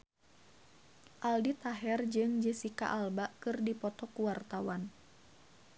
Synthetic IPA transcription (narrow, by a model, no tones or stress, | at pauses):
ʔaldit̪aɦɛrd͡ʒɨŋd͡ʒəsika̰ʔalbaʔkɨrdipɔt̪ɔkuwart̪awan